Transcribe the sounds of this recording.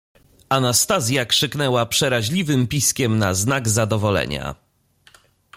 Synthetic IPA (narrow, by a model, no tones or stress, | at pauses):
ʔanast̪azʲjakʂɘknɛwapʂɛɾaʑlʲivɘmpʲiskʲɛmna̰znaɡzad̪ɔvɔlɛ̰ɲa̰